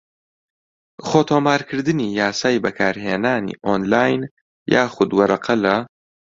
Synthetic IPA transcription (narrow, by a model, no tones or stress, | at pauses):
χoːt̪ʰoːmaːɾkʰɨɾd̪ɨniːjaːsaːjbɐkʰaːɾɦeːnaːnḭːʔoːnlaːjn | jaːxʊd̪wɐɾɐqʰɐlɐ